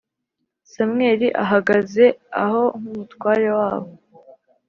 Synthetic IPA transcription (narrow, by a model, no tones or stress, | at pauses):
samŋe̞ːɾiʔaɦaɡaze̞aho̞ŋumutwaːɾewaːβo̞